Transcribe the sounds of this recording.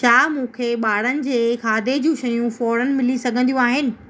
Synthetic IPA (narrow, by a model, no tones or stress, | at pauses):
ʃʰaːmũːkʰeːɓaːɽ̤ənɪ̆d͡ʑeːkʰaːd̪ʱed͡ʑũːʃɐjũfɔːɾənɪ̆mɪlisɐɡʱə̃nd̪ijũaːɦɪnɪ̆